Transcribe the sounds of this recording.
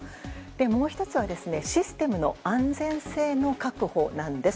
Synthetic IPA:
d̪̥e̞mo̞ːçi̥t̪o̞t͡sɨβad̪esɨne̞ɕisɨ̥t̪e̞mɯ̟no̞̰ãnd͡zẽ̞se̞ːno̞kakɯ̟ho̞nãnd̪e̞

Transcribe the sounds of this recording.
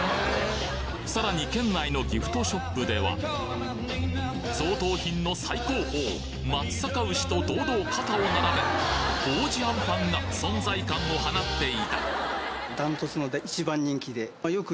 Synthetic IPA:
saɾaɲ̟ikẽ̞nːaino̞ɡʲiɸɯ̟̥t̪o̞ɕo̞pːɯ̟d̪e̞βa̰ | so̞ːt̪o̞ːçĩnːo̞saiko̞ːho̞ː | mat͡sɨ̥sakaɯ̟ɕi̥t̪o̞d̪o̞ːd̪o̞ːkat̪ao̞naɾabe̞ɡ̥o̞ːʑiãmpãŋɡasõ̞nd͡zaikãŋo̞hanat̪ːe̞it̪a̰ | d̪ãnt̪ot͡sɨnod̪eit͡ɕibãɲːĩŋkʲid̪e̞ajo̞kɯ

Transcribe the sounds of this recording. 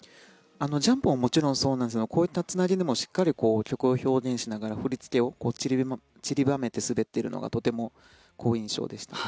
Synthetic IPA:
ano̞d͡ʑãmpɯ̟mamo̞t͡ɕiɾõ̞ɰ̃so̞ːnãnd̪esnokoːit̪ːat͡sɨnaɾʲid̪emo̞ɕi̥kːaɾʲiko̞ːkʲo̞kɯ̟oço̞ːɡẽ̞ɰ̃ɕinaɡaɾaɸɯ̟ɾʲit͡sɨ̥k̪e̞o̞ko̞ːt͡ɕiɾʲi | t͡ɕiɾʲibame̞t̪e̞sɨbe̞t̪ːe̞ɾɯ̟no̞̰ɡa̰t̪o̞t̪e̞mo̞ | kʰo̞ːĩɰ̃ɕo̞̰ːd̪e̞ɕi̥t̪ḁ

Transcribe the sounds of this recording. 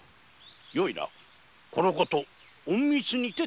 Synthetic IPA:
joiɾa̰ | konokot̪o | õmmʲit͡sɨɲ̟it̪e

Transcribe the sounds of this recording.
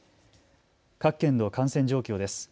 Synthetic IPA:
kakːẽ̞nd̪o̞ːkãɰ̃sẽ̞ɲ̟d͡ʑo̞ːkʲo̞ːd̪e̞sɨ̥

